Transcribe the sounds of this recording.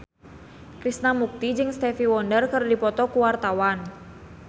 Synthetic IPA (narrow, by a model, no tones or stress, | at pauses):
kɾisnamuk̚t̪id͡ʒɨŋst̪ɛfiwɔndərkərdipɔt̪ɔkuwart̪awan